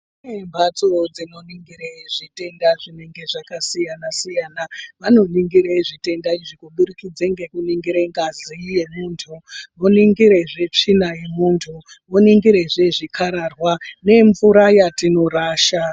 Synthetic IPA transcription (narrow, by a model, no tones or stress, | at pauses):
unembʱat͡sod͡zino̞niŋɡiɾeʐ̥ite̞ndaʐine̞ŋɡe̞ʐakasijanasijanaʋano̞niŋɡiɾeʐite̞ndaiʐikuɓuɾikid͡zeŋɡe̞kuniŋɡiɾeŋɡazije̞muːntʰumoniŋɡiɾe̞ʐe̞t͡ʂinaje̞muːntʰu | moniŋɡiɾeʐe̞ʐikʰaɾarwane̞ɱvuɾajatino̞ɾaːʃa